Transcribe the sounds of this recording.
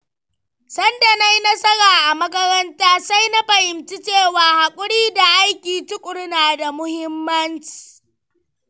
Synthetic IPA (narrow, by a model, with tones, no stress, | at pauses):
sɐ˦nda˨na˦jnɐ˦sɐ˦ɾaː˨ʔa˨mɐ˦kɐ˦ɾɐ˦ntaː˦sa˦jna˦ɸɐ˨hɪ˨mt͡ʃi˦t͡ʃeː˦˨waː˨ha˨kʷʼʊ˦ɽiː˦da˨ʔa˦jkʲiː˨tʊ˦kʷʼʊ˨ɽnaː˨da˨mʊ˦hɪ˦mːɐ˦nt͡ʃi̥ː˨